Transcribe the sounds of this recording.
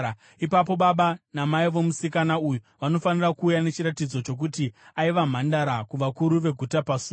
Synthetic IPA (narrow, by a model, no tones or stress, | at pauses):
ipap̬o̞ɓaɓanamaiʋo̞musikanauju | ʋano̞fanirakuːjane̞t͡ʃiɾatid͡zo̞t͡ʃo̞k̬utiaiʋam̤andaɾakuʋakuɾuʋe̞ɡʱutapasu